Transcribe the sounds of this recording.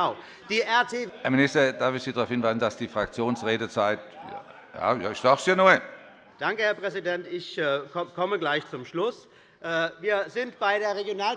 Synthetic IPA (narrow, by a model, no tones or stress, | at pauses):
ʊ | d̥iːʔɛɐtʰeːhɛɐmɪnɪstɐd̥aɐfɪçsiːdʁaʊfhɪnvaɪzn̩d̥asd̥iːfʁ̥ak̚t͡sjoːnsʁeːdət͡saɪtja̰ | ja̰ːja̰ːɪʃd̥aχsjanɔə | d̥aŋkəhɛɐpʁ̥ɛzidɛntɪçkɔkʰɔməɡlaɪçt͡sʊmʃlʊs | ʔɛːviːɐzɪntb̥aɪɾeːɐʁeɡjonaːl